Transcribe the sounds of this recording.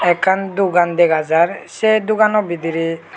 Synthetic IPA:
ɛkʰːand̪uɡand̪ɛɡazaɹsɛd̪uɡanɔbid̪iɾi

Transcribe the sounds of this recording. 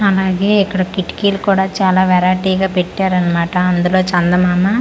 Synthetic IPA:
ɐlaːɡeːikːɐɽɐkiʈkiːlukuːɽaːt͡ʃaːlaːʋɛɾaːʈiːɡaːpeʈːaːɾɐnːɐmaːʈɐɐnd̪ulo̞ːt͡ʃɐnd̪ɐmaːmɐ

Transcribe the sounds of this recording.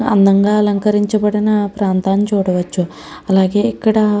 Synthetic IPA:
ɐ̰nːɐŋɡaɐlɐŋkɐɾiɲt͡ʃɐpɐɽɐnapɾaːnt̪aːnt͡ʃoːɽuʋɐt͡ʃːu | ɐlaːɡeikːɐɽɐ

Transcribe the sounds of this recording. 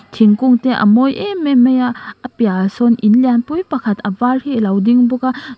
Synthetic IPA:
tʰiŋkuŋteʔɐ̰mojememejaːpijasɔninlanpujpakʰatɐbaɾhilawdiŋbɔka

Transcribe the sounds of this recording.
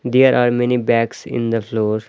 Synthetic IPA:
d̪eːɾʔaːɾmɛnibɛːksɪ̰̃nd̪əfloːɾ

